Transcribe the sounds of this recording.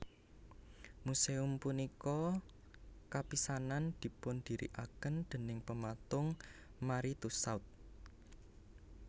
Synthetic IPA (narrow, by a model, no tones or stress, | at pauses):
museumpunikɔ | kapisanand̪̥i̤pʊnd̪̥i̤ɾḭʔakənd̪̥ə̤nɪŋpəmat̪ʊŋmaɾit̪usawt̪̚